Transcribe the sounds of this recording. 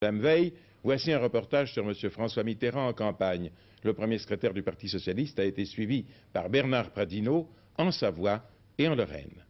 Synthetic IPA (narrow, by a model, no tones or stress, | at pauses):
d̪amvɛj | vwasiɛ̃ʁəpɔʁt̪aʒsyʁməsjøfχɑ̃swamit̪eʁɑ̃ɑ̃kɑ̃paɲ | ləpχəmjesə̥kχet̪ɛʁd̪ypaʁt̪isɔsjalist̪aet̪esɥivipaʁbɛʁnaʁpχad̪ino | ɑ̃savwa | eɑ̃lɔʁɛ̰n